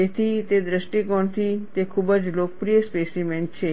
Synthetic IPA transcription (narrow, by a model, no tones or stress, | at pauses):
et̪ʰit̪ed̪ɾəʃʈikɔɳt̪ʰit̪ekʰubəd͡ʒloːkəpɾijəspesiment͡ʃʰe